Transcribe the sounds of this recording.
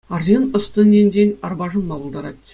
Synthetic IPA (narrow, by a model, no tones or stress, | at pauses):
ɑɾʒenʊst̪ənʲend̪ʲenɑɾbɑʒənmɑbəlˠd̪ɑɾɑt̪